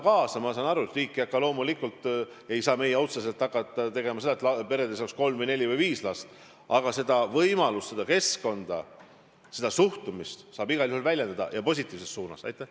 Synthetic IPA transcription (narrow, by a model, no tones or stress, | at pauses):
kɑːsɑmɑsɑnɑɾuet̪riːkːiɑkːɑlo̞ːmulikːult̪ | e̞jsɑːme̞jeo̞t̪ses̬e̞lt̪ˑːɑkːˑɑt̪ːˑɑt̪e̞ɡe̞mɑse̞d̪ɑet̪lɑpe̞ɾed̪esɑksko̞lmvɤjne̞lʲivɤjviːslɑst̪ | ɑɡ̥ɑse̞d̪ɑvɤjmɑlust̪se̞d̪̥ɑke̞sko̞nd̪̥ɑ | se̞d̪ɑsuht̪umist̪sɑːbiɡ̥ɑljuhulvælʲje̞nd̪ɑd̪̥ɑ̰jɑpo̞s̬ʲit̪ːˑiːvse̞st̪suːnɑ̰sɑ̰jt̪ːˑeh